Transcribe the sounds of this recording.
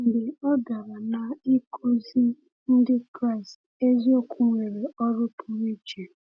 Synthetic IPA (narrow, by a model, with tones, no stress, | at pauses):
n̩˨dɪ˨ɔ˦da˨ɾa˨na˨i˦kʰo˦zi˦ | n̩˦dɪ˦kɾa˦ɪ˨st | e˦zi˦o˦kʰʷʊ˦ŋʷe˨ɾe˨ɔ˦ɾʊ˦pʰʊ˨ɾi˦t͡ʃe˨